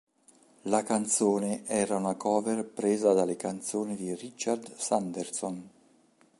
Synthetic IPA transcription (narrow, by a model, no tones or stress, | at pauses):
lakant̪soːneʔɛːɾaunakʰɔːverpɾeːzad̪alekant̪soːnid̪irit͡ʃːard̪sand̪erson